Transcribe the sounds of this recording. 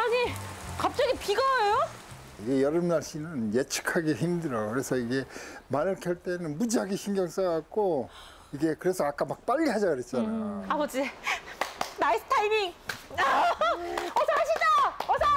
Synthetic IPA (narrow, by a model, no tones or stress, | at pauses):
anikap̚t͡ɕ͈ʌɡipiɡʌjo | iɡe̞jʌɾɯmnaɭɕ͈inɯnjet͡ɕʰɯ̥kʰaɡe̞çimdɯɾʌɡokɯɾe̞sʰʌiɡe̞manɯɭkʰʌɭt͈e̞nɯnmud͡ʑiɦaɡeɕʰiŋɡjʌŋs͈aak̚k͈o | iɡe̞kɯɾe̞sʰʌak͈amak̚p͈aʎːiɦad͡ʑaɡɯɾe̞t̚t͡ɕ͈anaabʌd͡ʑi | naisɯ̥tʰaimiŋ | ʌsʰʌhaɕʰid͡ʑaʌsʰʌ